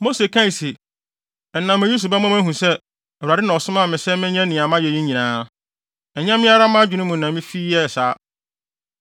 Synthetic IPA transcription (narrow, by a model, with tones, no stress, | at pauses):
mo˦se˨kʰã˦i˨si˨ | ɛ˨nːã˨mɪ̃˨ju˦s̬u˨ba˦mã˦mæ̃˦ɦũ˨sɛ˦ | ɛ˨wa˨dɪ˦nã˨ɔ˨sʊ˦mã˦˨mɪ̃˨sɛ˦mɪ̃˦ɲɛ̃˦nɪ̃˨a˨mã˦jɛ˨ji˦ɲĩ˨nãː˦ | ɛ˨ɲã˦mɪ̃˦a˦ɾa˦mã˦d͡ʑᶣu˨nʊ̃˦mũ˨nã˨mɪ̃˦fiː˦ɛ˦˨saː˦